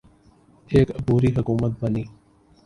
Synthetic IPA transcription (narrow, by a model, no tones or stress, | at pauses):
eːkəbuːɾiɦʊkuːmət̪̚bəniː